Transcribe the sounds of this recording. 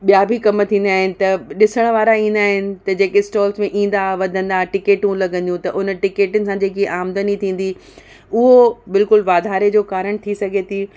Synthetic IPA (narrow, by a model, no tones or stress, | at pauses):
ɓijabʱikɐmt̪ʰĩːn̆d̪aːɦɪnɪ̆t̪ɐɗɪsəɽ̃ʋaːɾaĩːnd̪aːɦɪnɪ̆t̪ɐd͡ʑeːkesʈɔːlsmẽʔĩːn̆d̪aʋɐd̪ʱə̃nd̪aːʈɪkeːʈũlɐɡə̃nd̪ijũt̪ɐʔʊnəʈɪkeːʈʊnɪ̆sãd͡ʑeːkeʔaːmd̪ənit̪ʰĩːn̆d̪i | ʊɦobɪlkʊlʋaːd̪ʱaːɾed͡ʑoːkaːɾəɽ̃t̪ʰisɐɡʱet̪ʰiː